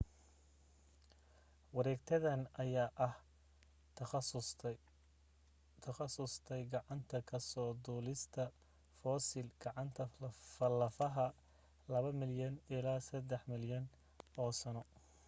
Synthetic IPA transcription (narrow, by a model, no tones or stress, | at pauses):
wɑɾɛːɡt̪ʰɐðɐnɐjaːʔɐh | t̪ʰɐxɐsʊst̪ʰɛjɡɑʕɑnt̪ʰɐkʰɐsɔːd̪uːlɪst̪ʰɐ | fɔːsɪlɡ̥ɑʕɑnt̪ʰɐfɐlɐfɐɦɐ | lɐβɐmɪljɐnɪlaːsɐd̪ɛħmɪljɐn | ɔːsɐnɔ